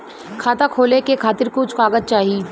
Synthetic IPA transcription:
kʰaːt̪akʰoːlekekʰaːt̪ɪɾkut͡ʃʰʊkaːɡət̪̚t͡ʃaːɦiː

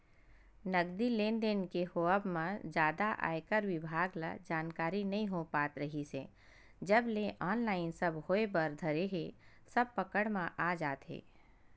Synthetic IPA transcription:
nəɡd̪ilẽːnɖ̪enkehoːəbmãd͡ʒjaːd̪aʔa̰ːekəɾwɪbʱaːɡla̰d͡ʒaːnkaːɾinɐɦĩɦopaːt̪ɾəɦise | d͡ʒəbleʔɔːnlaːɪnsəbhoːebəɾd̪ʱəɾeɦe | səb̚pəkəɽmãʔaːd͡ʒaːt̪ɦḛː

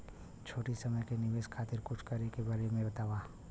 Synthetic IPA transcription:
t͡ʃʰoːʈisɐməjkenɪʋeːskʰaːt̪ɪɾkʊt͡ʃʰkɐɾekebaːɾemẽbɐt̪aːʋaː

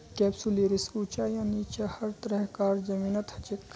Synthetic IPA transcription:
kɛːbsuleːɾisuːt͡ʃajaːnit͡ʃahɐɾt̪əɾəɦkaːɾd͡ʒɐmiːnɐt̪hɐt͡ʃik

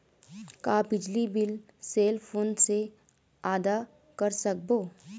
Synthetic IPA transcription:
kaːbɪd͡ʒlibɪl | seːlpʰoːnse | aːd̪a | kəɾsək̚boː

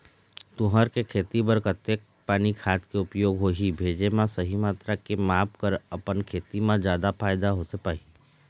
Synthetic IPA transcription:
t̪ʊɦəɾkekʰeːt̪ibəɾkət̪ːek̚ | paːnikʰaːt̪keʊpjoːɡɦoːɦibʱeːd͡ʒemãsəɦimaːt̪ɾakemaːpkəɾɐpənkʰeːt̪imãd͡ʒjaːd̪apʰaːɪd̪aɦoːt̪epaːi

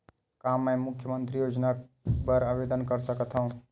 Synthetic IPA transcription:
kamːemʊkʰjəmənt̪ɾijod͡ʒnabəɾabed̪ənkəɾsəkət̪ʰɦəũ

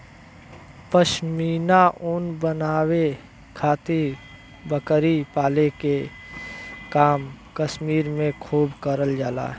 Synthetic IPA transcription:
pəʃmiːnaʔʊnbənaːwe | kʰaːt̪iɾ | bəkɾipaːleke | kaːmkəʃmiːɾmẽkʰuːbkəɾəld͡ʒaːla̰ːɦ

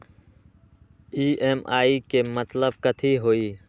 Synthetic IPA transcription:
iːeːmaːikemət̪ləb̚kət̪ʰiɦoːiː

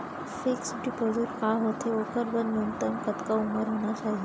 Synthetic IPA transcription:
fɪksɖipozuɾkaɦot̪eokəɾbənjunt̪əmkət̪kauməɾɦoːɽ̃at͡ʃaːɦi

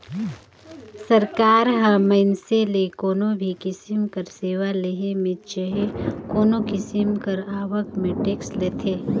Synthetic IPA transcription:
sɐɾkaːɾɦaməɪnselekoːnõbʱikɪsɪmkəɾseːʋaleɦemẽt͡ʃəɦekoːnokɪsɪmkəɾaːʋəkmẽʈeːksleːt̪ʰeː

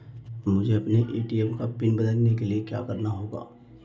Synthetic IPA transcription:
mʊd͡ʒʱeɐpneʔeːʈiɛmkapɪnbɐd̪əlnekeliekja̰ːkɐɾnaɦoːɡa̰ː

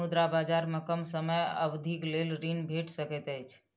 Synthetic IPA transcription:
ud̪ɾabad͡ʒaɾmekəmsəməjə̰bd̪ʱiklelɾinbʱeʈsəkɛt̪əjt͡ʃʰ

